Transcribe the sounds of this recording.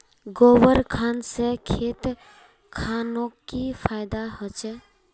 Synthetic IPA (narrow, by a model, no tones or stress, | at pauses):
ɡoʋəɾkʰansəkʰet̪ | kʰanokːipʰajd̪aɦət͡ʃɛ